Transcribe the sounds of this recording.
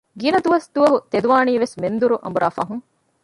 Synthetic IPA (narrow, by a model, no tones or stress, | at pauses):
ɡinɐd̪uʋɐsd̪uʋɐɦut̪ed̪uʋaːniːʋesmend̪uɾuʔɐ̰mbuɾʔa̰ːfɐ̰ɦuŋ